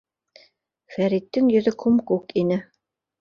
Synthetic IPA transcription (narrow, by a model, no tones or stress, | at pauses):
fæɾit̪ːɘŋjɵ̆ðɵkʉmkʉkinɘ